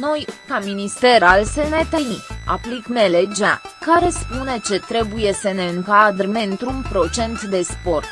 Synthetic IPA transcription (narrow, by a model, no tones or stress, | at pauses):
no̞jkaminist̪e̞ɾalsenet̪enia̰plikmeled͡ʒa̰kaɾe̞spune̞t͡ʃe̞t̪ɾe̞buje̞səne̞ɨŋkad̪rme̞ɨnt̪ɾunpɾo̞t͡ʃe̞nt̪d̪e̞spo̞rt̪̚